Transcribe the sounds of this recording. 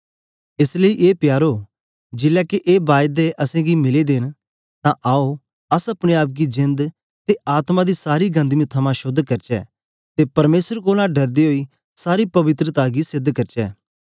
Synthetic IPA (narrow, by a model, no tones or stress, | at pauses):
ɪsleiʔeːpjaːɾoː | d͡ʒɪlɛːkeʔeːbaːjd̪eʔɐsẽːɡimɪled̪ɪn | t̪ãʔaːo | ɐsɐpɽeaːp̬̚ɡid͡ʒɪ̃nd̪ | t̪eaːt̪mãd̪isaːɾiɡɐ̃nd̪mĩt̪ʰɐmãʃʊd̪ʱːkɐɾt͡ʃɛ̰ː | t̪epɐɾmeːsəɾkoːlãɖɐɾd̪iɦoːi | saːɾipɐʋɪt̪ɾət̪aːɡisɪd̪ʱkɐɾt͡ʃɛː